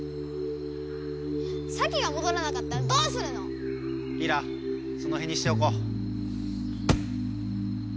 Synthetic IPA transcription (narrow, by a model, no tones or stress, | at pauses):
sʰaɡiɡamod̪oɾanakat̪͈̚ːad̪osʰɯɾɯno | iɾa | sonoɦe̞ɲːiɕi̥t̪eoko